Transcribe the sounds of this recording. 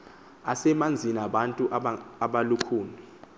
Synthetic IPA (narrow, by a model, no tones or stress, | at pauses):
asɛmand͡zʱinaɓantʼuʔaɓalukʰuːni